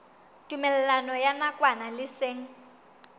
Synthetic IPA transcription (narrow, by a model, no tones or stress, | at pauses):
tʼumɛlɛlanɔjanakʼwanalɪseːŋ̩